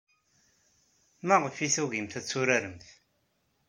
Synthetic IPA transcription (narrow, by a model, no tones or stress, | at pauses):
maʁəfiθuɣimθæt͡sːuɾaɾəmθ